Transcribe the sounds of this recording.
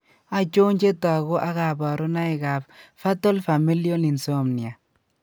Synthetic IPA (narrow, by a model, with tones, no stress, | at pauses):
a˨t͡ʃo˦ɲd͡ʒe˦ta˨ɣo˦ʔa˦ɣa˨ba˨ɾɔ˦na˦ɪ˨ɡa˨pfa˦tɔ˦lfa˨mi˦ljɔ˦ni˨nso˦mni˨a˨